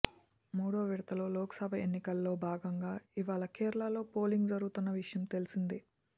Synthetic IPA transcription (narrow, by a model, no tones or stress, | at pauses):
muːɽoːʋiɽɐt̪ɐloːlɔːkɐsɐbʱɐenːikɐlːo̞ːbʱaːɡɐŋɡaːiʋaːɭɐkeːɾɭaːlo̞ːpoːliŋɡd͡ʒɐɾuɡut̪unːɐʋiʂɐjɐmt̪e̞lisind̪i